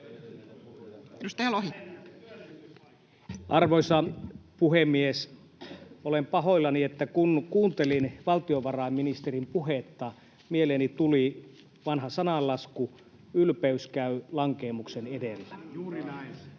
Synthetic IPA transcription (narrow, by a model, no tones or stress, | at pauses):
edust̪ɑjɑloɦi | ʔɑrʋosɑpuhemːies | olempɑɦoilːɑniet̪ːækunkuːnt̪elinʋɑlt̪ioʋɑrɑˑimːinist̪erimpuɦet̪ːɑ | mieleːnit̪uli | ʋɑnhɑsɑnɑlːɑsku | ylpeyskæylɑŋkeːmuksenedelːæ